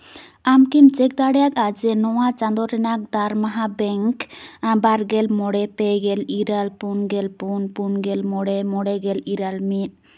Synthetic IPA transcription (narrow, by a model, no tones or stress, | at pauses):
amkimt͡ʃɛk̚d̪aɽɛjakad͡ʒɛnɔwat͡ʃãnd̪ɔɾɛnak̚d̪aɾmaɦabɛŋkbaɾɡɛlmɔɽɛpɛɡɛliɾalpunɡɛlpunpunɡɛlmɔɽɛmɔɽɛɡɛliɾalmit̪̚